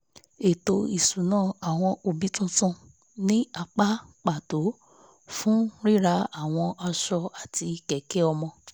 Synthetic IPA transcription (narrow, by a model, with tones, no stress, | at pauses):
e˨to˧i˨su˨nãː˦˨a˨w̃ɔ̃˧o˧bi˦tũ˦tũ˦ | nĩ˦a˧k͡pa˦k͡pa˦˨to˨˦ | fũ˦ɾi˦˨ɾa˨˦a˦˨w̃ɔ̃˧ʔa˧ʃɔ˧a˨tʰi˧kɛ˨ke˦ɔ˧mɔ̃˧